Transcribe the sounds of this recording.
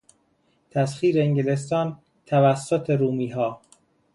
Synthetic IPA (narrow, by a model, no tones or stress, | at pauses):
t̪ʰæsxiːɾeeŋɡele̞s̬t̪ɒːn | t̪ʰævæsːot̪ʰeɾuːmiːɦɒː